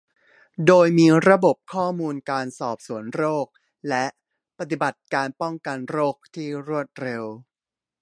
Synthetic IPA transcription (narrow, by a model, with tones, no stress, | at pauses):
doː˧jmiː˧ɾa˧bo˨˩p̚kʰɔː˥˩muː˧nkaː˧nsɔː˨˩p̚su˩˦ənɾoː˥˩k̚ | lɛ˦˥ʔ | pa˧˩t̪i˨˩ba˨˩t̪̚kaː˧npɔ˥˩ŋka˧nɾoː˥˩k̚t̪ʰiː˥˩ɾu˥˩ət̪̚ɾe˧w